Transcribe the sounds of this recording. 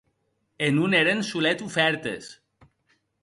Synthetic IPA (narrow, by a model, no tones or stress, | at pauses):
enuneɾensulet̪ufɛɾt̪ḛs